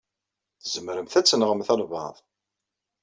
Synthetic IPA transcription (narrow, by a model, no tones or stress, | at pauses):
θzəmɾəmθæt͡sːənʁəmθælvɑ̰ðˤ